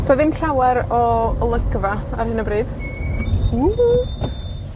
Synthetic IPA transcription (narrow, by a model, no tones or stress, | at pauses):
sɔðɪnɬawɛɾɔlˠəɡvaarhɪnəbrɨːd̥ | u